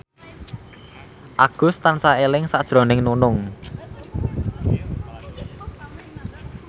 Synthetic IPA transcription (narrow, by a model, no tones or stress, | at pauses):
ʔaɡ̥ʊ̤st̪ansaelɪŋsaʔʒ̥ɾɔ̤nɪŋnunʊŋ